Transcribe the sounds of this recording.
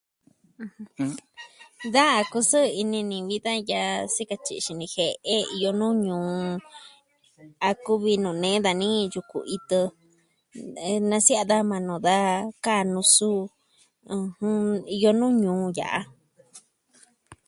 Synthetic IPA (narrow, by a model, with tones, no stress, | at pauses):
hɨ̃˧ | ða˦a˧ku˧sɨ˦˧i˧nĩ˧nĩ˧βi˦ða˦ja˧si˦ka˧t͡ʃḭ˧ʃi˧nĩ˧he˧ʔe˦i˧jo˧nũː˦ɲũː˨˧ | a˧ku˦βi˧nũː˨nẽ˨˦ða˧nĩ˦ju˧ku˨i˧t̪ɨ˧ | nã˧si˦a˧ða˦mã˧nũ˨ða˦ka˦˨nũ˧sũ˦˧ | hũ˦i˧jo˧nũː˦ɲũː˨˧ja̰˨ʔa˧